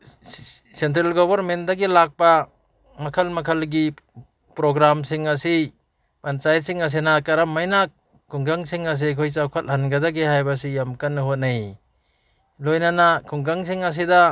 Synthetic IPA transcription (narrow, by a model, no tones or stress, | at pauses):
sentɾelɡobɐɾmentdaɡilak̚pa | mɐkʰɐlmɐkʰɐlɡi | pɾoɡɾamsiŋɐsi | pansajsiŋas̬enakɐɾamːajnakː | uŋɡaŋsiŋɐs̬ikʰojsawkʰat̚hɐnɡadaɡiɦajbas̬ijamkanːɯɦot̚naj | lojnanakʰuŋɡaŋs̬iŋɐs̬ida